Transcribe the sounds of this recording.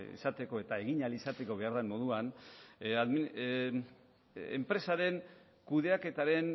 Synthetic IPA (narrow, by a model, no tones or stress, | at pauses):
ḭsat̪e̞ko̞e̞t̪ae̞ɣiɲalisat̪e̞ko̞βe̞aɾðamo̞ðuan | aðmi | empɾe̞saɾe̞n | kuðe̞ake̞t̪aɾe̞n